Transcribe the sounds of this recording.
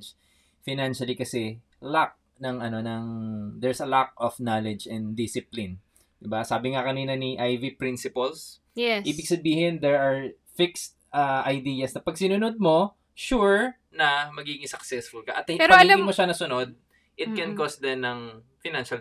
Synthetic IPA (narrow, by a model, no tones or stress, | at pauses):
fɪnanʃɐlikɐsɛ | lak̚ | nɐŋɐno̞nɐŋd̪ɛɹsɐlak̚ofnalɛd͡ʒɛnd̪d̪ɪsɪplɪn | d̪ɪbasaːbɪŋakɐniːnɐniʔajvipɹinsɪpɐls | ɛʔiːbɪɡ̚sɐbiːhɪnd̪ɛɹaɹ | fɪkst̪̚aʔɐjd̪iːjɐsnɐpɐɡ̚sɪnʊnod̪̚mo̞ | ʃuɹ | nɐmɐɡiɡɪŋɪsɐksɛsfʊlkɐʔɐt̪pɐɡɪmoʃanɐsʊnod̪̚ | ʔɪt̪̚kɛnkosd̪ɛnːɐŋ | fɪnãnʃɐl